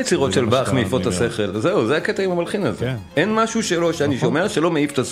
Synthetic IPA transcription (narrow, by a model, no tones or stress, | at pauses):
jet͡siʁo̞tʃe̞lbaːχmeifo̞t̪hase̞χe̞lzeuzeaket̪aimamalχinazeʔenmaʃuʃelo̞ʃeaniʃo̞me̞ʁʃe̞lo̞meift̪as